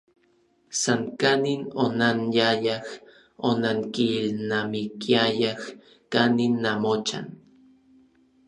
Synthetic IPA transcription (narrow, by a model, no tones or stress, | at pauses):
saŋkaninonanjajah | onaŋkilnamikiajah | kaninːamot͡ʃa̰n